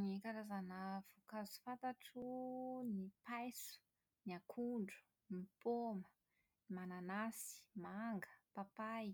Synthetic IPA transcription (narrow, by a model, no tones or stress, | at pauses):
nikaɾazanəv̥ukazu̥fant̪aʈ͡ʂunipajsu̥ | niakʰuɳɖ͡ʐu̥ | nipomə | nimananasi̥maŋɡə̥papaj